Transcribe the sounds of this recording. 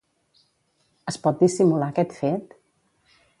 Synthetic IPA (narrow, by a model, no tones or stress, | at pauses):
əspɔt̪̚d̪isimulakɛt̪fet̪